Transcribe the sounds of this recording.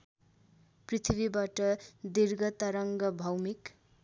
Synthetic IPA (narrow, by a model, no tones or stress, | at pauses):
prit̪ʰibibaʈʌd̪irɡʌt̪aɾʌŋɡʌbʱʌwmik